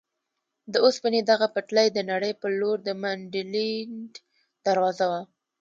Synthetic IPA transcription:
d̪əospəned̪aɣapaʈləjd̪ənaɽəjpəloɾd̪əmaɳɖilinɖ | d̪̥aɾwɑzawa

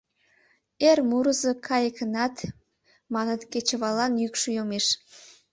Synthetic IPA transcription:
ermuɾəzəkʰɑjəkənɑt̪ | mɑnət̪ket͡ɕəβɑlɑnjykʃəjomeʃ

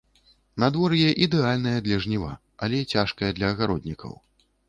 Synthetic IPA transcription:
nad̪vɔɾjɛʔid̪ɛalʲnɐjɐd̪lʲɐʐnʲiva̰ | ɐ̰lʲɛt͡sʲaʂkɐjɐd̪lʲɐːɣaɾɔd̪̚ʲnʲikʰɐ̰w

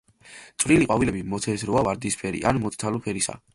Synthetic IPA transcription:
t̪sʼvɾiliqʼwavilɛbimɔt̪ʰɛsɾɔavaɾd̪ispʰɛɾḭʔanmɔt̪ʰʼt̪ʰalɔpʰɛɾisa̰

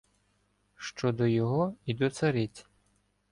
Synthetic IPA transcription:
ʃt͡ʃɔd̪ɔjɔɦɔid̪ɔsɐɾitʲ

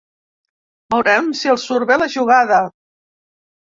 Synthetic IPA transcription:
bəwɾɛmsiəlˠsuɾβeləʒuɣaðə

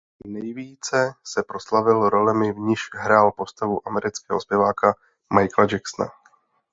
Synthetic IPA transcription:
nɛjviːt͡sɛsɛpɾo̞slavɪlɾo̞lɛmɪvɲɪʃɦɾaːlpo̞st̪avuʔamɛɾɪt͡skɛːɦospjɛvaːka | majklad͡ʒaksna̰

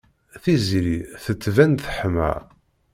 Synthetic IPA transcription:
θizɾiθət͡sːvænθəħəmæ̰

